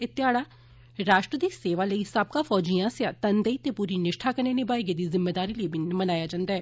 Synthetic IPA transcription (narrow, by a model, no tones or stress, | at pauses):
ɪt̪ːɪjaːɽaː | ɾaːʃʈɾəd̪iːseːʋaːləisəb̚kaːfɔːd͡ʒijãːsjãːt̪ənd̪əit̪eːpuːɾiːnɪʃʈʰaːkəɾneːnɪbaːiɡed̪iːzɪmːeːd̪aːɾiːləibʱiːnmənaːjaːd͡ʒãːnd̪aːɦɛː